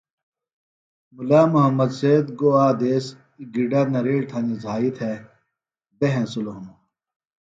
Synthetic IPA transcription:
mulaːmuɦɐmːɐd̪seːd̪ɡoːaːd̪eːs | iɡiɖanɐɾeːɽt̪ʰɐ̃nizaːit̪ʰɦe | beɦẽsuloɦɐmu

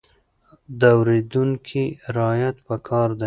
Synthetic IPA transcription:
d̪əawɾed̪uŋkʰiɾɑjat̪pəkʰɑɾd̪a

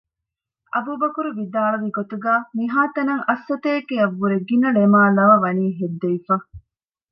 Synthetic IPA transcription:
ɐbuːbɐkuɾuʋid̪aːɭɐʋiɡot̪uɡaːmiɦaːt̪ɐnɐŋɐsːɐt̪eːkːeɐʋːuɾeɡinɐɭemaːlɐʋɐʋɐniːɦed̪ːeʋifɐ

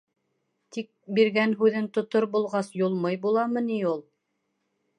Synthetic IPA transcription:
t̪ik̚biɾɡænɦʉðɘnt̪ŏt̪oɾbulˠʁɑsjulˠmɤjbulˠɑmɤ̆niulˠ

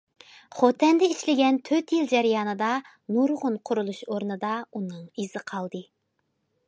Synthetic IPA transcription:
χot̪ʰɛnd̪ɛiʃlɪɡʲɛnt̪ʰøt̪jilˠd͡ʒɛɾɪjɑːnɨd̪ɑ | nuɾʁʊnqʰʊɾulˠuʃoɾnɨd̪ɑunɨŋiz̥ɨqʰɑlˠd̪ɨ

